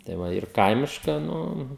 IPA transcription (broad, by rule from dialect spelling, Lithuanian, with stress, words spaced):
tɐɪ ˈʋɐ ɪr ˈkɐɪmʲɪʃkɐ ˈnʊ